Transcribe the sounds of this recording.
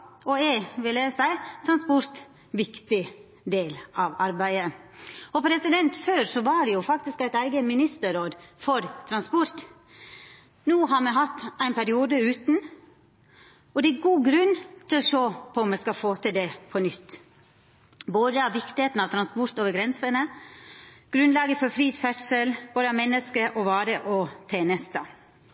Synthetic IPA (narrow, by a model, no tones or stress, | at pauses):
ɔɛʋɪlæsæɪt̪ʰɾɑnspɔɾt̪ | ʋɪkt̪ɪ | d̪eːlɑʋɑɾbæɪəɔpʰɾɛsɪd̪ɛnt̪føːɾsɔʋɑɖɛjʊfɑkt̪ɪskæɪt̪æɪɡəmɪnɪst̪əɾoːd̪fɔɾt̪ʰɾɑnspɔɾt̪ | nuːɦɑɾmɛɦɑt̪ːæɪnpʰæɾɪuːd̪əʉːt̪n̩ | ɔd̪ɛæɡuːɡɾʉnːt̪ʰɪlɔʃoːpʰɔʊmɛskɑfoːt̪ʰɪld̪ɛpʰɔnʏt̪ː | boːd̪əɑʋʋɪkt̪ɪheːt̪n̩ɑʋt̪ʰɾɑnspɔɾt̪oːʋəɾɡɾɛnsənə | ɡ̥ɾʉnlɑːɡəfɔɾfɾiːt̪fɛʈʂəlb̥oːd̪əɑmɛnːəskəʔɔʋɑːɾəʔɔt̪ʰeːnɛst̪ɑ̰